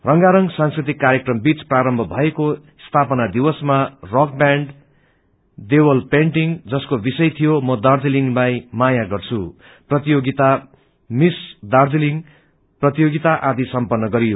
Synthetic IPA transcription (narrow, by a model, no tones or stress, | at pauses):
rʌŋɡaɾʌŋsãnskrit̪ikːaɾjekrʌmbit͡spraɾʌmbʱʌbʱʌeko | st̪ʰapʌnad̪iwʌsmarok̚baɳɖ | d̪ewʌlpeɳʈiŋd͡zʌskobisʌjt̪ʰijomʌd̪ard͡ziliŋlajmajaɡʌrt͡sʰu | prʌt̪ijoɡit̪a | misd̪ard͡ziliŋ | prʌt̪ijoɡit̪aʔad̪isʌmpʌnːʌɡʌɾijo